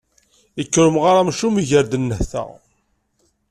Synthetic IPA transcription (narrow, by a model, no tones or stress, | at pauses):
əkːəɾəmʁaɾamʃumiʝəɾd̪ənːəhθæ̰